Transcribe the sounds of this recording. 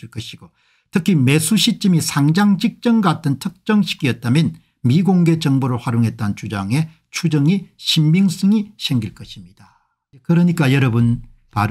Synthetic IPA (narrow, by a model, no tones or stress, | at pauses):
iɭk͈ʌɕʰiɡ̥o | tʰɯkʰime̞sʰuɕʰit͡ɕ͈imisʰaŋd͡ʑaŋd͡ʑik̚t͡ɕ͈ʌŋɡatʰɯntʰɯk̚t͡ɕ͈ʌŋɕʰi̥ɡiʌt̚t͈amjʌn | miɡoŋɡe̞t͡ɕʌŋboɾoɭɸwaɾjoŋɦe̞t̚t͈ant͡ɕud͡ʑaŋe̞ | t͡ɕʰud͡ʑʌŋiɕʰimːiŋs͈ɯŋiɕʰe̞ŋɡiɭk͈ʌɕʰimɲid̥a | kɯɾʌɲik͈ajʌɾʌbun | paɾ